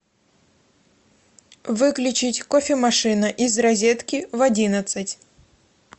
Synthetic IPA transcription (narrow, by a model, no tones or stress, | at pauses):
vɨklʲʊt͡ɕɪtʲkofʲɪmɐʂɨnəʔizrɐzʲe̞t̪kʲɪvɐdʲinət̪sɨtʲ